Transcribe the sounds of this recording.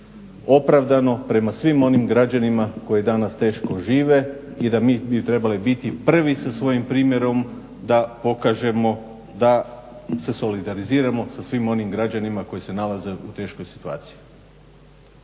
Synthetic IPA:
o̞pɾaʋd̪ano̞pɾe̞masʋimo̞nimɡɾad͡ʑanimako̞jed̪anast̪e̞ːʃko̞ʒiːʋe̞id̪amiːbit̪ɾe̞balibit̪ipr̩ʋisasʋo̞jimpɾiːmje̞ɾo̞m | d̪apo̞kaʒe̞mo̞ | d̪ase̞so̞lid̪aɾiziːɾamo̞sasʋimo̞nimɡɾad͡ʑanimako̞jise̞nalaze̞ʔut̪e̞ːʃko̞jsi̥t̪ua̰ːt̪siji

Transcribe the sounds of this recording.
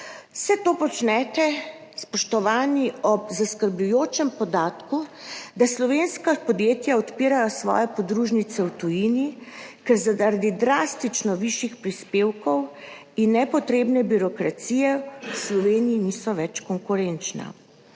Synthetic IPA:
wsɛt̪oːpɔt͡ʃnɛt̪ɛ | spɔʃt̪ɔʋaːniɔbzaskəɾblujoːt͡ʃɛmpɔd̪aːt̪kud̪aslɔʋenskapɔd̪jeːt̪jaɔt̪piːɾajɔsʋɔ̰ːjɛpɔd̪ɾuʒnit̪sɛwt̪ujiːnikɛɾzaaɾad̪id̪ɾast̪it͡ʃnɔʋiʃjixpɾispeːwkɔw | inːɛpɔt̪ɾeːbnɛbiɾɔkɾat̪sijɛwslɔʋeːnijiniːsɔʋɛt͡ʃkɔŋkuɾɛnt͡ʃna̰

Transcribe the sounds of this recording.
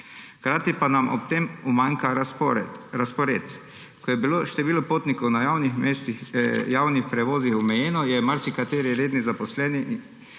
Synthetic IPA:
kɾaːt̪ipanamʔɔ̰pt̪eːmumaŋka | ɾaspɔɾḛːt̪ | kɔjɛbiloːʃt̪ɛʋiːlɔpoːt̪nikɔwnajawnixest̪jaːwnixpɾɛʋoːzixɔmɛjɛːnɔjɛmaɾsikat̪eːɾiɾeːd̪nizapɔslɛniʔ

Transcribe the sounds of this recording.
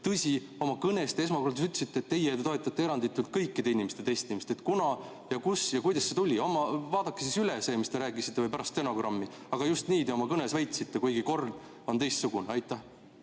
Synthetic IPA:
t̪ɤsʲi | o̞mɑkɤne̞st̪ee̞s̬mɑkord̪us̬yt̪ːˑe̥sit̪ːˑeːt̪ːe̞jet̪t̪oet̪ːˑɑt̪ːeeɾɑnd̪it̪ːˑult̪̚kɤjkːˑid̪̥e̞inimest̪e̞t̪e̞jst̪inimest̪et̪kunɑ | jɑkusjɑkujd̪ɑsːe̞t̪ulʲio̞mːɑvɑːd̪̥ɑkːˑesisylese̞ːmist̪e̞ɾæːkˑisit̪ˑːevɯjpæɾɑst̪ːeno̞ɡ̥rɑmːi | ɑɡ̥ɑjust̪niːd̪eo̞mɑkɤnesvæjt̪sit̪ːe̞kujɡ̥iko̞rd̪̥ | o̞nt̪e̞jst̪suɡ̥uneɑjt̪ːˑæh

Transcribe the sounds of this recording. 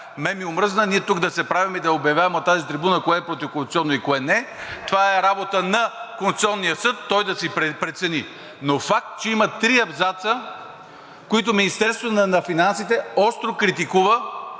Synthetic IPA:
mɛmiʊmɾɤznəniɛt̪uɡd̪ɐsɛpɾavimɛid̪ɐobjɐvjavɛmot̪azit̪ɾibunəkoɛːpɾot̪ifkonsu̥t̪sʲiɔnːoikoɛnɛt̪ovaɛɾabot̪ənɐkõnst̪siɔnːijəsɤt̪ːɔjd̪ɐsipɾɛt̪sɛni | nofak̚t̪t͡ʃɛimɐt̪ɾiɐbzat̪sə | koit̪̬ʊminist̪ɛɾst̪vonɐnɐfinansit̪ɛɔst̪ɾokɾit̪ikuvə

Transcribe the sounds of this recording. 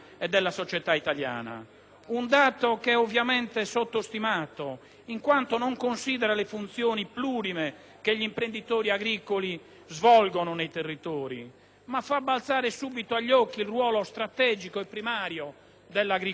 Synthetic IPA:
ɛd̪ːɛlːasot͡ʃɛt̪ait̪alja̰ːna̰ | und̪aːt̪okɛovːjamɛnt̪ɛsot̪ːost̪imaːt̪o | iŋkwant̪ɔnɔŋkonsiːðɛɾalefunt̪sjoːnipluːɾime | keʎːimpɾend̪it̪oːɾiaɡɾiːkoli | zvɔlɡɔnɔnejt̪erːit̪ɔːɾḭ | mafːabːalt̪saːɾɛsuːbit̪oaʎːɔkːilrwɔːlɔst̪ɾat̪ɛːd͡ʒikoɛpːɾimaːɾjɔ | d̪ɛlːaɡɾi

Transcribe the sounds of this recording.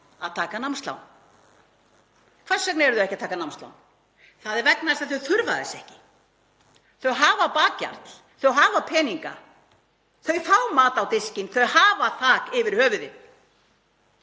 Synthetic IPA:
aðt̪ʰaːkanamst̪la̰wn | kʰvḁsɛk̬̚naɛɾʏðʏɛhcɪat̪ʰaːkanamst̪la̰wn | θaðɛɾvɛknast̪aθœɥθʏɾvaðɪsɛhcɪ | θœɥɦaːvapaːca̰ɾt̪l̥ | θœɥɦaːvapʰɛːniŋka̰ | θœɥfawmaːt̪awt̪ɪscɪnθœɥhaːvaθaːkɪvɪɾ̥hœːvʏðɪn

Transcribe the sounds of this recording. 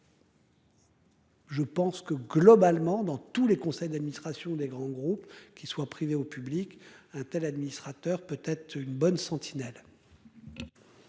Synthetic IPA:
ʒəpɑ̃skəɡlɔbalmɑ̃d̪ɑ̃t̪ulekɔ̃sɛjd̪ad̪minist̪χasjɔ̃d̪eɡʁɑ̃ɡʁupkʲiswapχiveopyblikɛ̃t̪ɛlad̪minist̪χat̪œʁpøt̪ɛt̪χynbɔnsɑ̃t̪ʰinɛl

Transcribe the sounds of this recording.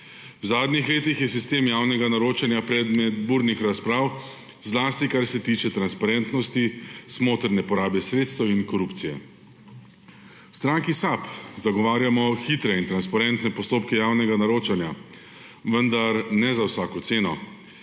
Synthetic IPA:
wzaːd̪nixleːt̪ixjɛsist̪eːmjaːwnɛɡanaɾoːt͡ʃanjapɾɛd̪mɛt̪̚buːɾnixɾaspɾaːw | zlaːst̪ikaɾsɛt̪iːt͡ʃɛt̪ɾanspaɾɛnt̪nɔst̪ismoːt̪əɾnɛpɔɾaːbɛsɾeːt̪st̪əwinkɔɾupt̪sijɛ̰ | st̪ɾaŋkisapzaɡɔʋaːɾjamɔxit̪ɾɛint̪ɾanspaɾɛnt̪nɛpɔst̪oːpkɛjawnɛɡanaɾoːt͡ʃanja | ʋənd̪aɾnɛzawsaːkɔt̪seːnɔ

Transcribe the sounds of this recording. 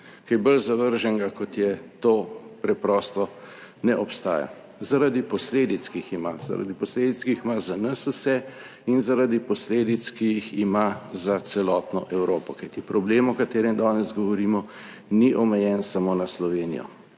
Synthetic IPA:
kajbəlzaʋəɾʒɛŋɡakɔt̪jɛt̪oːpɾɛpɾɔst̪ɔnɛʔɔpst̪a̰ːja̰ | zaɾad̪ipɔsleːd̪it̪skijixima̰za̰ɾa̰d̪ipɔsleːd̪it̪skiximazanɐsusɛ | inzaɾad̪ipɔsleːd̪it̪skijiximazasɛlɔːt̪nɔʔɛwɾoːpɔkajt̪ipɾɔbleːmɔkat̪eːɾɛmd̪aːnɛzɡɔʋɔɾiːmɔ | niʔɔmɛjɛnsamoːnaslɔʋeːnḭjɔ̰

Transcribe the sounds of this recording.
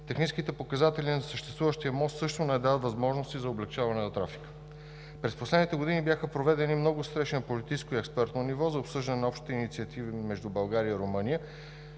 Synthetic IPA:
t̪ɛxnit͡ʃskit̪ɛpokɐzat̪ɛlinɐsəʃt̪ɛ̥st̪vuvəʃt̪iəmɔst̪sɤʃt̪onɛd̪aət̪vɐzmɔʒnost̪izɐoblɛkt͡ʃavɐnɛnɐt̪ɾafi̥kə̥ | pɾɛsposlɛd̪nit̪ɛɡod̪inibjaxəpɾovɛd̪ɛnimnɔɡʊst̪ɾɛʃɛnɐpolit̪iskʊiɛkspɛɾt̪nonivɔzɐopsɤʒd̪ɐnɛnɐɔpʃt̪i̥t̪init̪siət̪ʰivimɛʒd̪ubɐlˠɡaɾiəiɾomɤnijə

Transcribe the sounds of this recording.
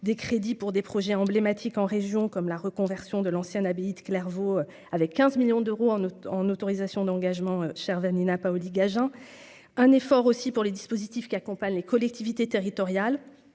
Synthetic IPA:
d̪ekχed̪ipuʁd̪epχɔʒɛɑ̃blemat̪ʰikɑ̃ʁeʒjɔ̃kɔmlaʁəkɔ̃vɛʁsjɔ̃d̪əlɑ̃sjɛ̃nabeid̪əklɛʁvo | avɛkʰʲːɛ̃zmiljɔ̃d̪øʁoɑ̃ɑ̃not̪ɔʁizasjɔ̃d̪ɑ̃ɡaʒmɑ̃øʃɛʁvaninapaɔliɡaʒɛ̃ | ɛ̃nefɔʁosipuʁled̪ispozit̪ifkʲiakɔ̃paɲlekɔlɛk̚t̪ivit̪et̪eʁit̪ɔʁjal

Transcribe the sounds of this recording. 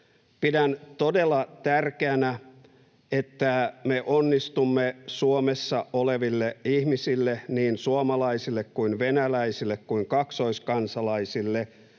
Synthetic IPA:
pidænt̪odelːɑt̪ærkeænæ | et̪ːæmeʔonːist̪umːesuomesːɑʔoleʋilːeihmisilːeniːnsuomɑlɑisilːekkuinʋenælæisilːekkuiŋkɑksoiskɑnsɑlɑisilːe

